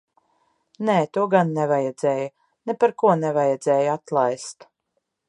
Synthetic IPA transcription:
nɛːt̪uɔɡanːɛvajɛd̪zɛːju | nɛpaɾkuɔnɛvajɛd̪zɛːjat̪lˠajst̪

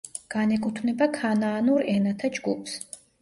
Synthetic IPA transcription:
ɡ̥anɛkʼut̪ʰvnɛbakʰanaːnuɾɛnat̪ʰad͡ʒɡupʰs

